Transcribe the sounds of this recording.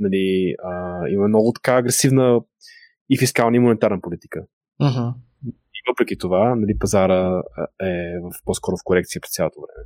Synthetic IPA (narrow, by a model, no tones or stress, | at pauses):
nɐliəimɐmnɔɡʊt̪ɐ̥kaːɡɾɛsivnə | ifiskalˠnəimonɛnt̪aɾnəpolit̪i̥kə | ɦ̩ | ivəpɾɛk̟it̪ovanɐlipɐzaɾəɛvəfpɔskɔɾofkoɾɛkt̪siəpɾɛst̪sʲalˠot̪ovɾɛ̰mɛ